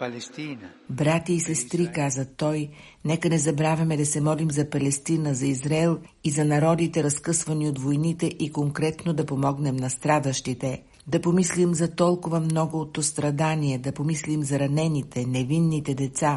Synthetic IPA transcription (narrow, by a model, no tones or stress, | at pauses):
l | bɾat̪iːsɛst̪ɾikazət̪ːɔjnɛkənɛzɐbɾavʲɐmɛd̪ɐsɛmɔlimzɐpɐlɛst̪inəzɐizɾaɛlˠ | izɐnɐɾɔd̪it̪ɛɾɐskɤsvɐniot̪vojnit̪ɛʔikoŋkɾɛt̪nod̪ɐpomɔɡnɛmnɐst̪ɾad̪əʃt̪it̪ɛ | d̪ɐpomislimzɐt̪ɔlˠkʊvəmnɔɡoot̪ːost̪ɾɐd̪aniɛd̪ɐpomislimzɐɾɐnɛnit̪ɛnɛvinːit̪ɛd̪ɛt̪sa